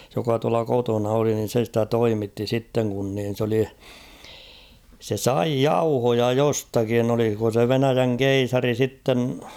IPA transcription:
jokɑ tuɑlɑ kotonɑ oli nin̞ se stæ toimitːi sitːeŋ kun niːn̞ s oli se sɑi jɑuhojɑ jostɑkin oliko se ʋenæjæŋ keisɑri sitːen

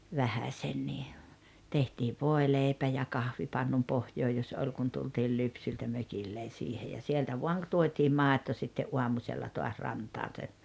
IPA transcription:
ʋæhæsʲenːiː tehtiːʋ ʋoˑeleipæ jɑ kɑhʋipɑnːun pohjoː jos olʲ kun tultiːl lypsyltæ møkilːen̞ siːhe jɑ sieltæ ʋuɑŋ k tuotʲiːm mɑˑeto sitːeʔ ʔuɑmusʲelːɑ toɑs rɑntɑːn se

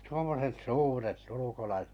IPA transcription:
tuomːoset suːret ulukolɑiset

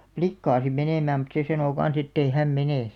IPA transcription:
plikːɑː sim meneˑmæːm mut se sɑnoˑ kɑn̞s etːei hæm meneˑ

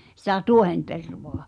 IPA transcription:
sĭtæ tuohenterʋoɑ

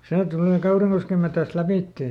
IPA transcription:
seː tuleˑ kɑuriŋkoskem metæst læpiˑtːeː

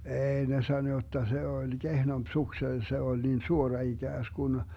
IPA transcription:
eːi ne sɑno jotːɑ se olʲ ɡ̊ehnomp sukse se olʲ niːn suorɑ iɡ̊æːskun

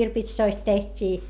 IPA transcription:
kirpitsoist tehtʲiː

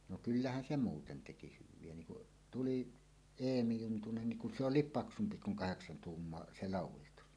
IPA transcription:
no kylːæhæn se muːten teki hyʋˑie niŋ kuʔ tuliˑ eːmi juntunen niŋ kun se olˑiːp pɑksumpi kuŋ kɑheksɑn tuːmːoɑ se lɑˑuwˑistus

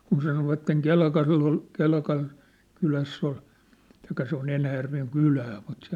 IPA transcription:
kun sɑnoʋɑtːeŋ kelkɑlː ol kelkɑn kylæsː ol tɑikːɑ se on enæjærʋeŋ kylæː mut se

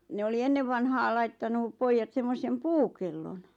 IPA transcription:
ne oli enːeʋ ʋɑnhɑːl lɑitːɑnu poijːɑt semːosem puːkelːon

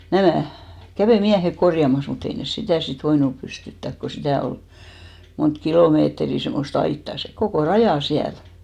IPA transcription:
næmæˑ kæʋeˑ miæhek korjɑmɑs mut ei nes sitæˑ sit ʋoinup pystytːæk ko sitæˑ ol mont kiloˑmeːtriˑ semːost ɑitːɑˑ se kokoˑ rɑjɑˑ siæl

